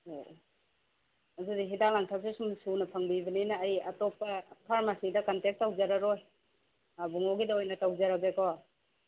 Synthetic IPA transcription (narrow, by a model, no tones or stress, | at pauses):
o | ɐdudiɦidalaŋtʰap̚sesumsunɐpʰɐŋbibɐnenɐːjɐtɔpːɐpʰaɾmasidɐkantek̚tːawzaɾaɾoj | abuŋoɡidaojnɐtawzaɾabekawa